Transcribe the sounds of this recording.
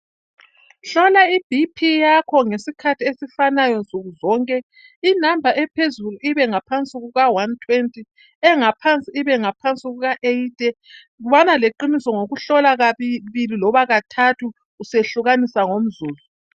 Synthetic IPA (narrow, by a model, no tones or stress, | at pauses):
ɬɔlaib̥ʱipʰijakʰɔŋesikʰatʰiesifanajɔnt͡sʼuɣuzɔːŋkʼɛ | inambʱaʔɛpʰezuluʔiβɛŋapʰant͡sʼiɣuɣawantʰwentʼi | ɛŋapʰant͡sʼiːβɛŋapʰant͡sʼiɣuɣaʔeitʼɛ | βanaleǃinisɔŋoɣuɬɔlaɣaβililɔβaɣatʰatʰuː | seɬuɣanisaŋom̩zuːzu